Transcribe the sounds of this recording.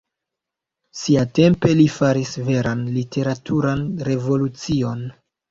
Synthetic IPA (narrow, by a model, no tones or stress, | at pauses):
siate̞mpe̞lifaɾisve̞ɾanlitʰe̞ɾatʰuɾanɾe̞vo̞lut͡sio̞n